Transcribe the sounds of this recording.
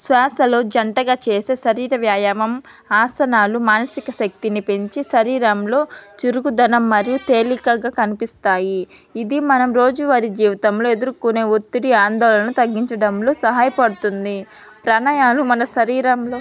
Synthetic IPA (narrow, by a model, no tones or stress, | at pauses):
sʋaːsɐloːd͡ʒɐɳʈɐɡaːt͡ʃe̞ːse̞ːʃɐɾiːɾɐʋjaːjɐmɐm | aːsɐnaːlumaːnɐsikɐʃɐk̚t̪inipe̞ɲt͡ʃiʃɐɾiːɾɐmlo̞ːt͡ʃiɾuɡud̪ɐnɐmːɐɾijut̪eːlikɐɡaːkɐnipist̪aːjiː | d̪imɐnɐmɾo̞ːd͡ʒuʋɐɾid͡ʒiːʋɐt̪ɐmlo̞ːe̞d̪uɾukune̞ːut̪ːiɽiaːnd̪ɔːlɐnɐt̪ɐɡːiɲt͡ʃɐɽɐmloːsɐɦaːjɐpɐɽut̪und̪i | pɾɐɳaːjaːlumɐnɐʃɐɾiːɾɐmloː